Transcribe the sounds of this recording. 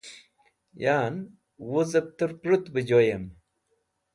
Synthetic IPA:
jaːn | wozɐp̚t̪əɾpɾut̪bəd͡ʑojɐm

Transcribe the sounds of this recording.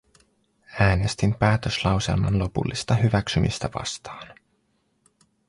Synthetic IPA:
æːne̞st̪impæːt̪ø̞slɑwse̞̰lmɑ̰nlo̞pṵlːist̪ɑɦyʋæksymḭst̪æʋɑ̰st̪ɑːn

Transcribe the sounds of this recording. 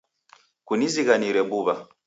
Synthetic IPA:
kuniziɣaniɾɛbuβa

